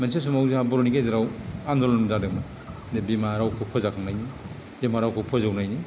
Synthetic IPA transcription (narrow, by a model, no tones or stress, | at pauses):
manses̬umawzaabɔɾoniɡezaɾawandɔlɔndadak̚ma | debimaɾawkʰupʰɔzakʰaŋnajni | bemaɾawkʰɯpʰɔzawnajni